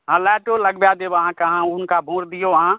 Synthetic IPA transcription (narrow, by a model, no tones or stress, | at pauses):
ɦəlɛːʈoləɡbjaːd̪eʋəɦãkɐɦãʊnkabʱũːɾd̪ɪjoãː